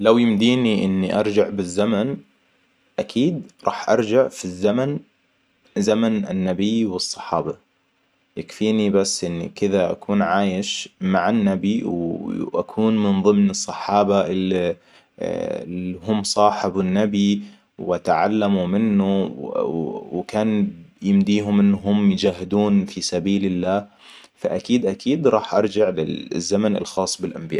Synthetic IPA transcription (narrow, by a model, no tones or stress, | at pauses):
lawjɪmd̪iːniʔɪnːiʔɑɾˤd͡ʒaʕbɪzːaman | ʔakʰiːd̪ɾˤɑ̰ːħʔɑ̰ɾˤd͡ʒaʕfizːaman | zamanɪ̰nːabɪjwɨsˤːɑ̥ħɑːba | jakfiːnibasːʔɪnːikɪðaʔa̰kʰuːnʕaːjɪʃmaʕanːabiwʔakʰuːnmɪnðˤɨmnɨsˤːɑħɑːbaʔɪli | lɦʊmːsˤɑːħɪbʊnːabi | wʔat̪ʕa̰lːamumɪnːu | wkaːnjɪmd̪iːɦʊmʔɪnːɦʊmːjd͡ʒaːɦɪd̪uːnfisabiːlɪlːaː | faʔakiːd̪ʔakiːd̪ɾˤɑːħʔɑ̰ɾˤd͡ʒaʕlɪ̰zːamanɪ̰lxɑːsˤːbɪlʔambɪja̰ːʔ